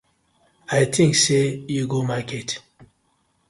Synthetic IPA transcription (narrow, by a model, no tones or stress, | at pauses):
ajt̪ʰĩŋksejuɡomakʰɛt